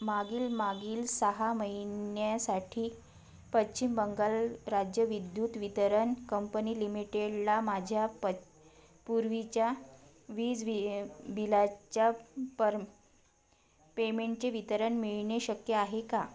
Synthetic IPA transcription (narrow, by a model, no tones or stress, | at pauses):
maɡiːlmaɡiːlsəɦaməɦinjasaʈʰiː | pət͡ɕɕt͡ɕimbəŋɡalɾad͡ʑjəʋid̪juːt̪ʋit̪əɾənkəmpəniːlimiʈeɽlamad͡ʑʱjap | puɾʋit͡ɕja | ʋiːd͡zʋbilat͡ɕjapə | pemeɳʈ̚t͡seʋit̪əɾəɳmiɭɳeɕəkjəaɦeka